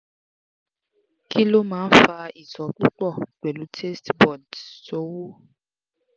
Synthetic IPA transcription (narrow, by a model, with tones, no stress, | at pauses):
ki˦lo˦mãː˨˦fa˧i˨tɔ˨k͡pu˦k͡pɔ˦˨ɡ͡bɛ˨lu˨˦tʰe˦stbɔ˨dso˦wo˦